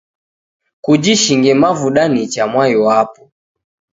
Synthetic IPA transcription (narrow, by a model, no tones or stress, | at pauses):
kud͡ʒiʃiŋɡɛmavuɗanit͡ʃamwajɔapu